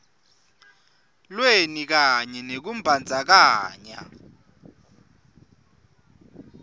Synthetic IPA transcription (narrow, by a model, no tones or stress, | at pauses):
lwenik̬aɲɛnek̬um̩bʱand͡zʱak̬aːɲa̰